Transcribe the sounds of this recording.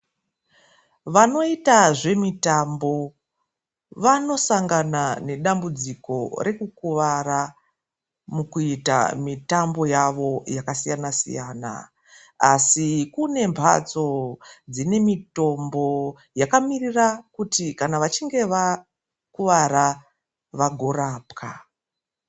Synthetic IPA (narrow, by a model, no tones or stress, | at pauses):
ʋano̞itaʐe̞mitambo̞ | ʋano̞saŋɡanane̞ɗambud͡ziko̞ɾe̞kukuʋaɾa | mukuita̰mitambo̞jaʋo̞jakasijanasḭja̰ːna̰ | asikune̞mpʰa̰t͡so̞d͡zine̞mito̞mbo̞ | jakamirirakutikanaʋat͡ʃiŋɡe̞ʋa | kuʋaɾa | ʋaɡʱo̞ɾaːpka